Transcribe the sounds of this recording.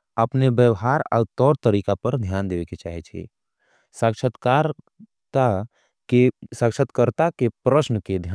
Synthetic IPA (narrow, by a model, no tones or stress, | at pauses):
əpnebjəʋɦaɾa̰wt̪ɔɾt̪əɾikapəɾd̪ʱjand̪eʋɛket͡ʃaɦɛt͡ʃʰɛ̰ | sakʃʰət̪kaɾ | t̪a | esãkʃʰət̪kəɾt̪akepɾəsnəked̪ʱja